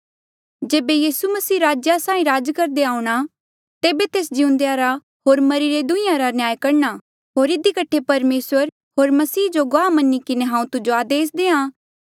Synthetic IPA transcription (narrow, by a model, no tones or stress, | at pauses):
d͡ʒeːbejiːsumɐsiːɾaːd͡ʒjasãːĩɾaːd͡ʒkɐɾd̪eaːũɽ̃a | t̪eːbet̪eːsd͡ʒɪʊ̃nd̪ejaɾa | ɦoːɾmɐɾiɾed̪ʊ̃ɪ̃jãɾanjaːjkɐɾɳ̃a | ɦoːɾɪd̪ikɐʈʰepɐɾmeːsʋəɾ | ɦoːɾmɐsiːd͡ʒoɡoaːmɐnikɪneɦãːũt̪ʊd͡ʒoaːd̪eːs̬d̪eːãː